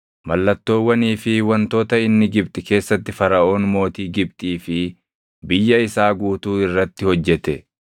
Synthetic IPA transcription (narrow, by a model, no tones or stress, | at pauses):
mɐlːɐt̪ːo̞ːwːɐniːfɪwɐnt̪o̞ːt̪ɐɪnːɪɡɪbt̪ʼɪke̞ːsːɐt̪ːɪfɐɾɐʔo̞ːnmo̞ːt̪iːɡɪbt̪ʼiːfɪ | bɪjːɐɪsaːɡuːt̪uːɪrːɐt̪ːɪhɔd͡ʒːɛt̪ɛ